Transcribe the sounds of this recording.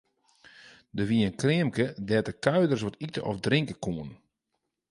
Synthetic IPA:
dəʋiənkrɪəmkədɛtəkœɥdərs̬ʋɔtitəʔɔfdrɪŋkəkuən

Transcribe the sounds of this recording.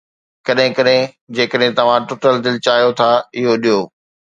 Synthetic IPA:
kɐɗɦɪ̃kɐɗɦɪ̃ | d͡ʑeːkəɗɦɪ̃t̪ɐʋ̤ãʈoːʈəld̪ɪlɪt͡ɕaːjot̪ʰaɪɦoɗijoː

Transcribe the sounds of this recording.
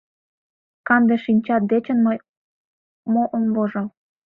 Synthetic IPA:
kɑnd̪eʃinʲt͡ɕɑt̪̚d̪et͡ɕə̆nməj | moʔonβoʒɤ̆l

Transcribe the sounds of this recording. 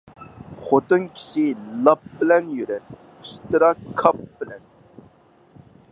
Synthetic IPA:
χot̪ɨŋkʲʰi̥ʃilˠɑp̚bɪlɛnjyɾɛɾ | iʃt̪ɨɾɑkʰɑp̚b̥ɪlɛn

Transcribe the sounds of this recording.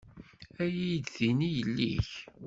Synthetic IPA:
æjijd̪θinijəlːḭç

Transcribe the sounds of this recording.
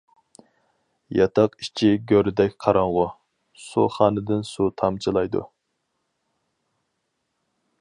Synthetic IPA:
jɑt̪ʰɑqi̥t͡ʃʰiɡʲøɾd̪ɛkʲqʰɑɾɑɴʁʊ | sṵχɑːnɨd̪ɪnsut̪ʰɑmt͡ʃʰilˠɑjd̪ṵ

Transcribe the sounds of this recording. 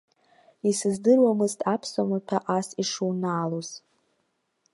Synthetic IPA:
isɨzdɨrwamɨztʼapʰsamapʰaʔasiʂunaːloz̥

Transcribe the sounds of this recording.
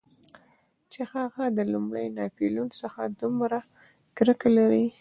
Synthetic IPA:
t͡ʃehaɣad̪əlumɽəjnɑpilunsəxad̪umɾa | kɾəkalaɾi

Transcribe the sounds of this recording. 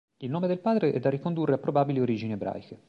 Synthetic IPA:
ilnoːmed̪elpaːd̪ɾeʔɛ̰d̪ːarːikond̪urːeapːɾobaːbilioɾiːd͡ʒineebɾa̰ːjke

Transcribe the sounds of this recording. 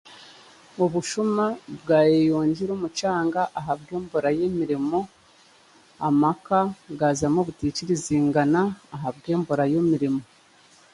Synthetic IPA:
uβuʃumabɡaːjejoːɲɟiɾuːmut͡ʃaːŋɡaʔaɦabɡe̞ːmboɾajemiɾimo̞ | amakaɡaːzamoβuticiɾiziːŋɡanaːɦab̚ɡe̞ːmboɾajemiɾimo̞

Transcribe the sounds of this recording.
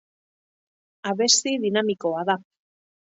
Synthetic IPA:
aβe̞st̪iðinamiko̞aða

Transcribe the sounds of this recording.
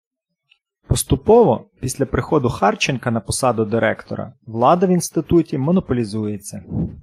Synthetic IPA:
pɔst̪ʊpɔʋɔpʲisʲlʲɐpɾɪxɔd̪ʊxɑrt͡ʃenkɐnɐpɔsɑd̪ʊd̪ɪɾɛkt̪ɔ̰ɾɐ̰ʋlˠɑd̪ɐʋinst̪ɪt̪utʲimɔnɔpɔlʲizujet͡sʲːɐ

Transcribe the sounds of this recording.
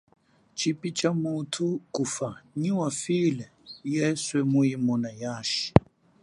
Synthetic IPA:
t͡ʃʰipʼit͡ʃʼamutʰukufaɲiwafilɛjɛswɛmujimɔnajaːʃi̥

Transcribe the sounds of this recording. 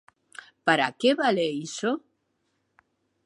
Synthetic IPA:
paɾa̰keβaleiso

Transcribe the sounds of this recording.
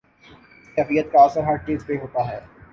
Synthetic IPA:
kɛːfijət̪̚kaɐsəɾɦɐɾt͡ʃiːzpeɦoːt̪aɦɛː

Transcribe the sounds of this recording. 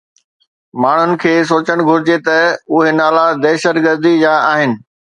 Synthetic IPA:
maːɳ̤ʊnɪ̆kʰeːs̬oːt͡ɕəɽ̃ɡʱʊɾɪd͡ʑet̪ɐʊɦenaːlad̪eːʃət̪ɡəɾd̪id͡ʑaːaːɦɪnɪ̆

